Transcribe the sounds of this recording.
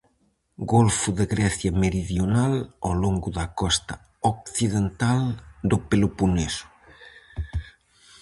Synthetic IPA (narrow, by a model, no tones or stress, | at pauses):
ɡolfʊðeɣɾɛθjɐmeɾiðjonalawloŋɡʊðɐkɔst̪ɐ | okθiðent̪ald̪ʊpelupunesʊ̥